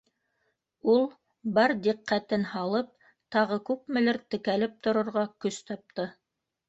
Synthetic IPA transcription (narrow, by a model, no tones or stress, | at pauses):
ulˠ | bɑɾd̪iqːæt̪ɘnhɑlˠɤp̚ | t̪ɑʁɤkʉp̚mɘ̆lɘɾt̪ɘ̆kælɘp̚t̪ŏɾŏɾʁɑkɵst̪ɑp̚t̪ɤ